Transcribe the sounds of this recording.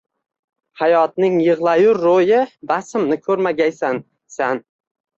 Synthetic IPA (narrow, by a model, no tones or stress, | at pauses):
hajɒt̪̚nɪŋjɨʁlˠajʊɾːojɪbasɪmnɪkʲʰɵɾmaɡʲajsan | san